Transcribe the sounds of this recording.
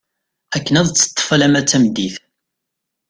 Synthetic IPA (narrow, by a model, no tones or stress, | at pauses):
ækːənæðˤt͡sːə̥t̪ˤːə̥fəlæmæt͡sːæmd̪iθ